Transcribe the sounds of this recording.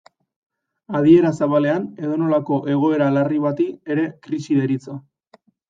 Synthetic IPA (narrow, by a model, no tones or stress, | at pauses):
aðie̞ɾasaβale̞ane̞ðo̞no̞lako̞ʔe̞ɣ̞o̞e̞ɾalariβat̪ieɾe̞kɾisiðeɾit͡so